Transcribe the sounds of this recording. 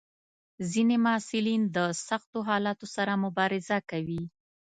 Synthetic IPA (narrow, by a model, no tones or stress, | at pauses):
zinemɑsɪlind̪əsaxt̪oɦɑlɑt̪osaɾamʊbɑɾɪzakawi